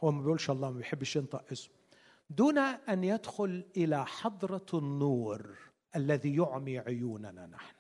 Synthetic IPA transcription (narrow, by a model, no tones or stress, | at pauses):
hʊwmːabjʔuːlʃʔɑlˤːɑːmabjħɪbːɪʃɪnt̪ˤɑʔʔɪsm | d̪uːnaʔanjad̪xʊlʔɪlaħɑd̪ˤɾˤɑnːuːɾ | ʔalːaðijʊʕmiʕʊjuːnana̰naħnʊ